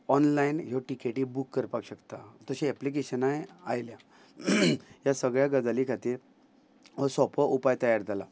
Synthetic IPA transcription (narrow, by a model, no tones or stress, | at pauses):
ɔnlainjɔʈikeʈiːbukːəɾpakɕəkt̪at̪əɕiɛplik̬eɕənajeajlja | jasəɡɭjaɡəd͡zalikʰat̪iːɾ | əsɔpəʔupajt̪əjaɾd͡z̪ʱala